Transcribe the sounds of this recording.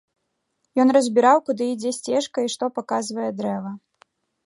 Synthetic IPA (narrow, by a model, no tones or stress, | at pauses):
jɔnrɐzʲbʲiɾawkud̪ɨid͡zʲɛsʲt͡sʲɛʂkɐiʂt̪ɔpakazvɐjɛd̪ɾɛvɐ